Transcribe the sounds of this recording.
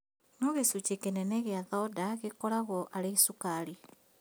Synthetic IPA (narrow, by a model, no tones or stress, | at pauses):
noɣesut͡ʃekenɛnɛɣeaðɔdaɣekɔɾaɣɔʔaɾeisukaɾi